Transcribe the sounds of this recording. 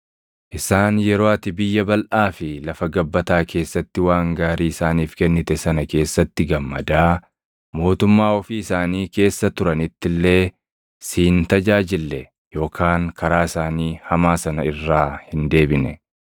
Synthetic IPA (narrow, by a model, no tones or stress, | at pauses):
ʔɪsaːnjɛɾo̞ːɐt̪ɪbɪjːɐbɐlʔaːfɪlɐfɐɡɐbːɐt̪aːkʰe̞ːsːɐt̪ːɪwaːŋɡaːɾiːɪsaːniːfkɛnːɪt̪ɛsɐnɐke̞ːsːɐt̪ːɪɡɐmːɐ̰d̪aː | mo̞ːt̪ʊmːaːɔfiːɪsaːniːke̞ːsːɐt̪ʊɾɐnɪt̪ːɪlːe̞ː | siːnt̪ɐd͡ʒaːd͡ʒɪlːɛ | jo̞ːkʰaːŋkʰɐɾaːɪsaːniːhɐmaːsɐnɐɪrːaːhɪnd̪e̞ːbɪnɛ̰